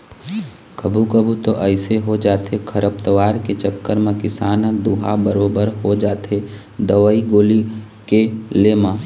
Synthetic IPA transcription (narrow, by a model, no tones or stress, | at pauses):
kəbʱukəbʱut̪oʔɛɪseɦod͡ʒaːt̪ekʰəɾəp̚t̪əʋaːɾket͡ʃəkːəɾmẽkɪsaːnd̪uːɦabəɾoːbəɾɦod͡ʒaːt̪e | d̪əʋəiɡoːli | keleːmã